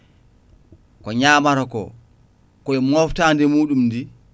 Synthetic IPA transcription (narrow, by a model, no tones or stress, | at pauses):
kɔɲaːmaɾɔkɔ̰ | kɔɛmɔftandɛmuːɗumdi